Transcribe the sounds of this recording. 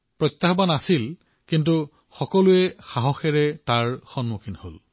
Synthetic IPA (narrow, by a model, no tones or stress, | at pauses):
pɹɔt̪ːaxbanasil | kint̬u | xɔkɔluɛxaɦɔxɛɹɛtaɹxɔnmukʰinho̰l